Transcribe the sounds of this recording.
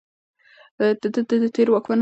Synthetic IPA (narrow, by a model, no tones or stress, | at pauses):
d̪əd̪əd̪əd̪ət̪ʰeɾwakman